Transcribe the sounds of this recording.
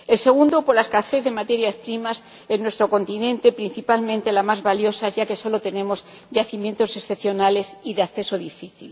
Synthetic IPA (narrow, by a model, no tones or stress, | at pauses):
e̞lse̞ɣ̞und̪opoɾlaskaθɾe̞zðe̞mat̪e̞ɾjaspɾimas | e̞nːwe̞st̪ɾo̞ko̞nt̪inẽ̞nt̪e̞pɾin̟θipalmẽnt̪e̞lamazβaljo̞saʝake̞so̞lo̞t̪e̞nẽ̞mo̞z | ʝaθimje̞nt̪o̞se̞sθepθjo̞nale̞siðeakθe̞so̞ðifiθil